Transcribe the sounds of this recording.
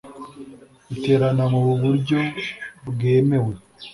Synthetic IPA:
ute̞ɾanamuβuβuɾɟo̞bɡeːme̞we̞

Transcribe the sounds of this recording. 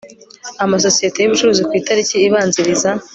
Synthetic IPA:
amas̬o̞sijete̞juβut͡ʃuɾuzikwiːtaɾiciːβaːnziɾiza

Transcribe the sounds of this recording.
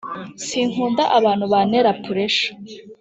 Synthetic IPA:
siːŋ̥huːndaʔaβaːnhuβaneɾapʰuɾeʃḁ

